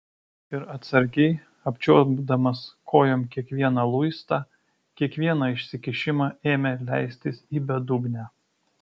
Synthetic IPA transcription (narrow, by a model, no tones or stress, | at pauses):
ɪɾɐt̪sɐɾʲɡʲɛɪ | ɐpʲt͡ʃʲoːɡd̪ɐmɐskʰoːjoːmkʲiɛkʋʲiɛnɑlˠʊɪst̪ɑː | kʲiɛkʋʲiɛnɑɪʃʲsʲɪkʲɪʃʲɪmɑːʔeːmʲelʲæ̰ɪsʲt̪ʲɪsiːbʲɛd̪ʊɡnʲæː